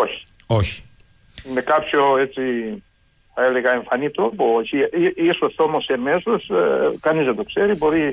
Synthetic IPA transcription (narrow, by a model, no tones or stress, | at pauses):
o̞çi̥ | oçi̥ | inekapçoe̞t͡si | θɐeleɣɐe̞ɱfɐnit̪ɾopoçiiisost̪eomosemesoskɐnizðed̪o̞kse̞ɾibo̞ɾi